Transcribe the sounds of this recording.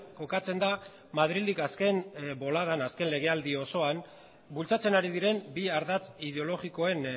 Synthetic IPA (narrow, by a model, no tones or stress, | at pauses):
ko̞kat͡se̞nd̪a | mað̞ɾild̪ikaske̞nbo̞laðanaske̞nle̞ɣ̞e̞ald̪io̞so̞an | bult͡sat͡se̞naɾiðiɾe̞mbiaɾðat͡sið̞e̞o̞lo̞ɣiko̞e̞n